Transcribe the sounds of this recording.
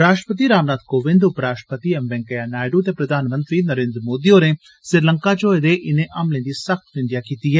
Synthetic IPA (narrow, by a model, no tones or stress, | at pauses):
ɾaːʃʈəpət̪iːɾaːʋnaːt̪koːʋɪ̃nd̪ʊpɾaːsʃʈə̥pət̪iːɛmbɛ̃ŋkəjaːnaːjɖuːt̪eːpɾəd̪ʱaːnmə̃nt̪ɾiːnəɾẽːnd̪ɾəmoːd̪ioːneː | sɪɾləŋkaːt͡ʃoːed̪eːʔɪnẽːʔɐmlẽːd̪iːsəxt̪ʋɪ̃nd̪ɪjaːkiːt̪iːɦɛː